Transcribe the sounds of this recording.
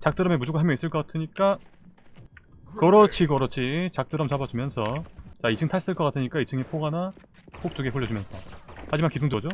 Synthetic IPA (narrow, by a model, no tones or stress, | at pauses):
t͡ɕak̚t͈ɯɾʌme̞mud͡ʑoɡaɦamjʌis͈ɯɭk͈ʌk͈atʰɯɲik͈a | kʌɾʌt͡ɕʰikʌɾʌt͡ɕʰit͡ɕak̚t͈ɯɾʌmt͡ɕabad͡ʑumjʌnsʰʌt͡ɕait͡ɕʰɯŋtʰaɭs͈ɯɭkʌk͈atʰɯɲik͈ait͡ɕʰɯŋepʰoɡana | k͈ok̚t͈uɡeɸuʎːʌd͡ʑumjʌnsʰʌhad͡ʑimankis̬ʰoŋdɯʌd͡ʑo